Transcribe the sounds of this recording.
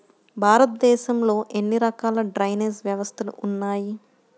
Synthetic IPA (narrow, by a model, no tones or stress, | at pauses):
bʱaːɾɐt̪̚d̪ɛːʃɐmlo̞ːʔe̞nːiɾɐkaːlɐɖɾɐjneːsʋjɐʋɐst̪ʰɐlṵunːaːji